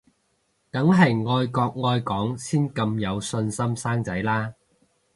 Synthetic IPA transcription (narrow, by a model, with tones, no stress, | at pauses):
t̪ɐ˨˥ŋɦɐ˨jŋɔː˧jkɔː˧k̚ŋɔː˧jkɔː˨˥ŋsiː˥nkɐ˧mjɐ˨˧wsɵ˧nsɐ˥msaː˥ŋt͡sɐ˨˥jlaː˥